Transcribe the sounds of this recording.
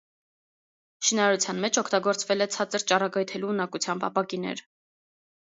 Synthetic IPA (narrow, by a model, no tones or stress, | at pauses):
ʃinɑɾɑɾut͡sʰjɑnmɛt͡ʃʰɔkʰt̪ɑɡɔɾt͡svɛlɛt͡sʰɑt͡səɾt͡ʃɑrɑɡɑjt̪ʰɛluːnɑkut͡sʰjɑmbɑ̰pɑkinɛ̰ɾ